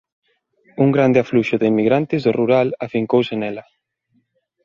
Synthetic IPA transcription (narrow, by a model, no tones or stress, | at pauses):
uŋɡɾand̪eafluʃʊðɪimːiɣɾant̪ɪzðoruɾalafiŋkowsenɛlɐ